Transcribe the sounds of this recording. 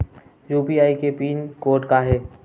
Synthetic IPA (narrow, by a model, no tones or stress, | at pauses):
juːpiaːikepiːnkoːɾʈkaɦɛː